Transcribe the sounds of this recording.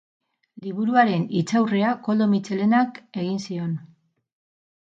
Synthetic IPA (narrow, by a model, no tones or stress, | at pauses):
liβ̞uɾuaɾe̞nit͡sawre̞ako̞ld̪o̞mit͡ʃe̞le̞nake̞ɣinsio̞n